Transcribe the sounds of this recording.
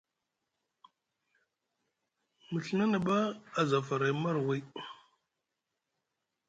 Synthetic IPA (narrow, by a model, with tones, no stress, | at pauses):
mə˨ɬə˨na˦nə˨ɓa˦a˨za˨fa˨ɾa˨˦ma˦ɾwi˦